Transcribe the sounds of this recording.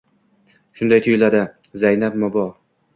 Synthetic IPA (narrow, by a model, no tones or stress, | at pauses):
ʃʊnd̪ajt̪ʰʊjɪlad̪ɪ | zajnap̚mɒbɒ